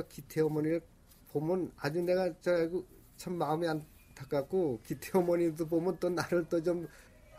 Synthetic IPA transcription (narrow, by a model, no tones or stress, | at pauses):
ʌkitʰeʌmʌniɾɯ | pomɯnad͡ʑune̞ɡat͡ɕʌaɡɯ | t͡ɕʰamːaɯmian | tʰak͈ak͈okitʰeʌmʌnidobomɯntonaɾɯɭtot͡ɕom